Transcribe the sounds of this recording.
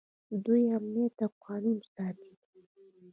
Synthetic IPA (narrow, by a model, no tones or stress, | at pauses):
d̪ujamnijat̪ːaqɑnimsɑt̪i